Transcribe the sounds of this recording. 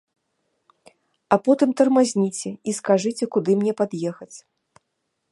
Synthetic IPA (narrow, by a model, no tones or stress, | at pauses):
ɐpɔt̪ɨmt̪ɐrmazʲnʲit͡sʲɛiskaʐɨt͡sʲɛkud̪ɨmnʲɛpad̪jɛxɐt͡sʲ